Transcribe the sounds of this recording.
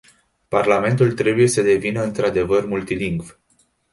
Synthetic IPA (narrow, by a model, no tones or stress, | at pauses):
parlame̞nt̪ult̪ɾe̞buje̞səd̪e̞vinəɨnt̪ɾad̪e̞vərmult̪iliŋɡv